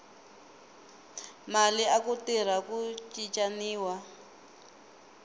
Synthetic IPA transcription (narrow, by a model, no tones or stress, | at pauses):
maliakutir̤akut͡ʃʼit͡ʃʼaniːwa